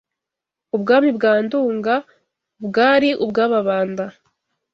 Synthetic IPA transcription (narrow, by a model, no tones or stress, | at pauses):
ubɡaːmibɡaːnduːŋɡa | bɡaːɾiʔubɡaːβaβaːnda